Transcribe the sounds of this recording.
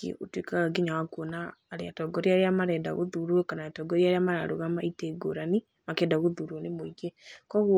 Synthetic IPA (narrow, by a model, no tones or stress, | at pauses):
kḛotwikaɣaɡiɲawakonaːɾeatɔɡɔɾeaɾeamaɾɛːda̰ɣoðuɾuɔkanaatɔɡɔɾiaɾeamaɾa̰ɾo̰ɣamaiteɡo̰ɾani | makɛdaɣoðuɾɔnemoiɡekɔɣw